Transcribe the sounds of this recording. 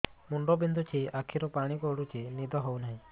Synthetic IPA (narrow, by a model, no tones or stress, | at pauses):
muɳɖɔbind̪ʱut͡ʃʰiakʰiɾɔpaɽ̃ikɔɽut͡ʃʰinid̪ʱɔɦownaɦĩ